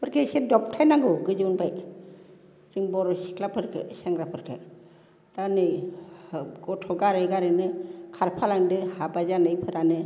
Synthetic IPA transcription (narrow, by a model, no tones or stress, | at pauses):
pɯɾkʰesedɔp̚tʰajnaŋɡɯɡɯzɯunbaj | ɾiŋbɔɾɔsi̥kʰlapʰɯɾkʰɯ̰saŋɡɾapʰɯɾkʰɯ̰ | d̥anɯj | ɡɔtʰɔɡaɾɯɡaɾɯnɯkʰaɾpʰalaŋdɯhabazanɯjpʰɯɾanɯ